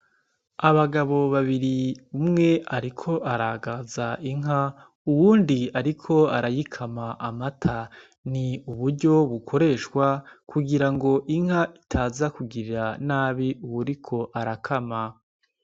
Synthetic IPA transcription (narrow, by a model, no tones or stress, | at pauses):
aβaɡaβo̞βaβiɾiumŋe̞aɾikʰo̞ʔaɾaɡazaiŋɦa | uwuːndiaɾikʰo̞aɾajikʰamaʔamatʰa | niuβuɾɟo̞βukʰo̞ɾe̞ːʃkwakuɡiɾaŋɡo̞ʔiŋ̥haʔitʰaːzakuɡiɾiɾanaːβiuwuɾikʰo̞ʔaɾakʰama